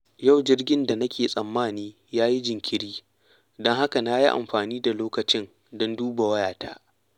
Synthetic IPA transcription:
ja˦˨wd͡ʒɪ˦rɡʲɪ˦nda˨nɐ˦kʲeː˨sʼɐ˨mːaː˦˨niː˦ | jaː˦ji˦d͡ʒɪ˨ŋkʲɪ˨ɽiː˦ | dɔ˦ŋha˦ka˨na˦ji˦ʔa̰˨mɸaː˨niː˦da˨loː˦kɐ˨t͡ʃɪ˦n | dɔ˦nduː˦ba˨wɐ˦jaː˨ta̰ː˦ʔ

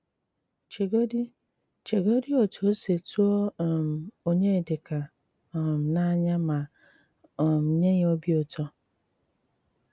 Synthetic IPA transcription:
t͡ʃe˨ɡi˦ | t͡ʃe˨ɡo˦di˦o˨tʰo˨˦se˨tu˦ɔ˦˨m̩˨o˦ɲe˦˨de˨ka˨ | m̩˨na˦ɲa˦ma˨ | m̩˨ɲe˦ɣo˦bi˦o˨tɔ˦

